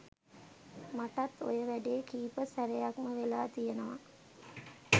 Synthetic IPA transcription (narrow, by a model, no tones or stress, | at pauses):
maʈat̪ːo̰jəʋæɖeːkiːpəsæɾejakməʋelaːt̪ijənəʋa